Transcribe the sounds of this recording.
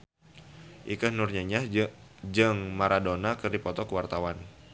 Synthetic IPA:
ʔikəhnurɲaɲad͡ʒɨŋmaɾadonakɨrdipɔt̪ɔkəwart̪awan

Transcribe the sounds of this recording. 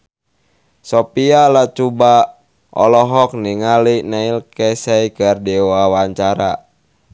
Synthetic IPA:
sɔpialat͡ʃuba | ʔɔ̰lɔɦɔk̚niŋalinailkɛsɛikərdɛwawaɲt͡ʃaɾa̰

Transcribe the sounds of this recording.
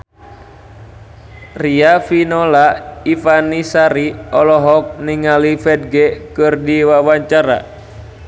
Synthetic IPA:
riafinolaifanisaɾiɔlɔɦɔk̚niŋalifɛd̚ɡɛkɨrdiwawaɲt͡ʃaɾa̰

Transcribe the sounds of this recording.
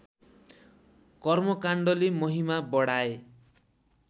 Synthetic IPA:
kʌrmʌkaɳɖʌlemʌɦimabʌɽae

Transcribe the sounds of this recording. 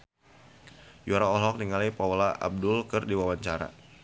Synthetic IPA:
juaɾaɔlɔk̚niŋalipawlaʔa̰b̚dʊlkɨrdiwawaɲt͡ʃaɾa̰

